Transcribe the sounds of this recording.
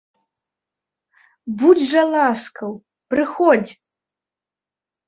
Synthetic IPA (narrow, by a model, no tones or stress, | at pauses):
bud͡zʲʐɐlˠaskɐw | pɾɨxɔd͡zʲ